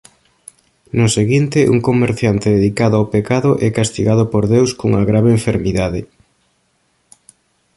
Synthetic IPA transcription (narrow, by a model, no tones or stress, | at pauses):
nʊseɣint̪ɪʔṵŋkomeɾθjant̪eðeðikaðʊawpekaðʊʔɛkast̪iɣað̞ʊpoɾðewskoŋɐɣɾaβeːɱfeɾmiðaðɪ